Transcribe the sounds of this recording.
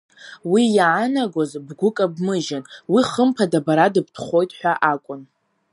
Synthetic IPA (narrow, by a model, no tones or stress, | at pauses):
wijaanaɡʷozbɡʷʊkʼabmɨʒɪnwiχəmpʰadabaɾadɨb̚tʰχʷo̞jtʼħʷᶣaʔakʷʼʊn